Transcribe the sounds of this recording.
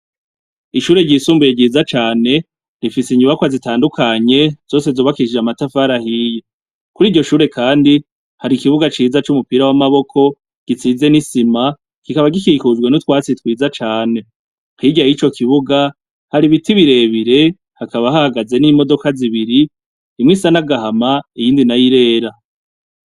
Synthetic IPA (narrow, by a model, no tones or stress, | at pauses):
iʃuːɾe̞ɟisuːmbuje̞ɟiːzat͡ʃaːne̞ | ɾifisiɲuβakwazitaːndukʰaɲe̞z̥o̞ːse̞zoβakiʃiamatafaɾahije | kuɾiːɾɟo̞ʃuːɾe̞kʰaːndi | haɾikiβuɡat͡ʃiːzat͡ʃumupiːɾawamaβo̞kʰo̞ | ɡ̥it͡siːze̞nisima | kikaβaɡikikuzɡwe̞nutwaːt͡sitwiːzat͡ʃaːne̞ | hiɡajit͡ʃo̞kʰiβuɡa | haɾiβitiβiɾe̞ːβiɾe̞ | hakaβahahaɡaze̞nimo̞do̞kaziβiɾi | imŋiːsanaɡaɦamaijiːndinajiɾe̞ːɾa